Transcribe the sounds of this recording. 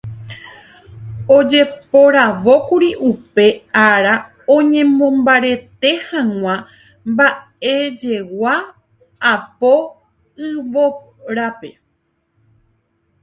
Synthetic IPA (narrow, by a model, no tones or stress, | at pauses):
o̞d͡ʒe̞po̞ɾaʋo̞kuɾiʔupe̞aɾa | õɲẽ̞mõ̞mbaɾe̞t̪e̞hãŋ̃ʷã | mba | e̞d͡ʒe̞wa | apo̞ | ɨʋo̞ | ɾape̞